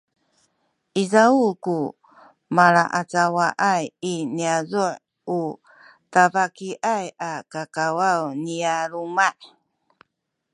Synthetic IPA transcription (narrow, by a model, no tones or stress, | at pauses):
ʔizaulku | maɭaʔat͡sawaʔajiniazuʕ | u | tavakiʔajakakawawniaɾumaʔ